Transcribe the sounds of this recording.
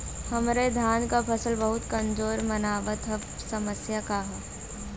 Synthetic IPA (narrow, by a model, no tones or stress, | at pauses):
hɐmɾed̪ʱaːnkapʰɐsəlbɐɦʊt̪kɐ̃nd͡ʒoːɾmɐnaːʋət̪ɦɐb | sɐməsjakaɦ